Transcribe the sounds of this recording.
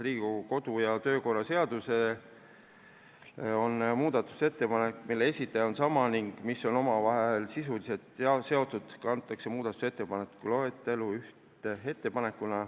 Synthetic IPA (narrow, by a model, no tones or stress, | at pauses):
riːɡuko̞d̪ujɑt̪ø̞ːko̞rɑse̞ɑd̪use̞ | o̞nmuːd̪̥ɑt̪ːˑu̥se̞t̪ːe̞pɑne̞kːˑmilːe̞e̞sʲit̪ːˑɑjɑo̞nsɑmɑniŋɡ̥misːo̞no̞mɑvɑɦelsis̬ulise̞t̪se̞o̞t̪ːˑud̪̥kɑnt̪ːˑɑkse̞muːd̪̥ɑt̪use̞t̪ːe̞pɑnekːulo̞et̪ːˑe̞luyht̪ee̞t̪ːe̞pɑne̞kːˑunɑ